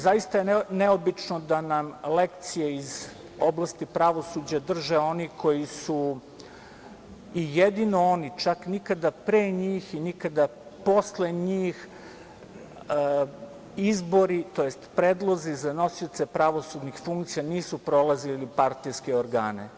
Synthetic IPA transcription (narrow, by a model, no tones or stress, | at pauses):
zajist̪ajeneobit͡ʂnod̪anamlekt̪sijeiz | oblˠast̪ipɾaʋo̞sud͡ʑad̪r̩ʒeo̞niko̞jisu | ijed̪ino̞onit͡ʃaknikad̪apɾeːɲiːxinikad̪a | po̞sleɲiːx | izbo̞ɾit̪o̞jest̪pɾeːd̪lˠo̞zizano̞siot̪sepɾaʋo̞sud̪nixfuŋkt̪sijaniːsupɾo̞lˠazilipaɾt̪ijskeoɾɡa̰ːnḛ